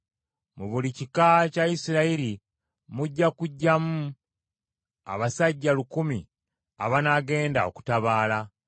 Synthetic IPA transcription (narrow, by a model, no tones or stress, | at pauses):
muβulicikacaisiɾaiɾi | muɟːakuɟːamu | a̰βasaɟːalukumḭ | a̰βanaɡe̞ːndao̞̰ku̥taβaːla